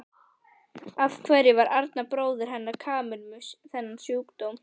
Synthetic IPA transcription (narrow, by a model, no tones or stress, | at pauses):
avkʰvɛɾjɪvaɾaɾt̪napɾoːwðʏɾ̥ɦɛnːaɾ̥kʰaːmɪlmʏsθɛnːan̥sjoːkt̪owm